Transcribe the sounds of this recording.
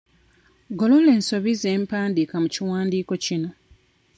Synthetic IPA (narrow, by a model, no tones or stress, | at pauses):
ɡolole̞ːnso̞βize̞ːmpaːndikamuciwaːndiːko̞cino̞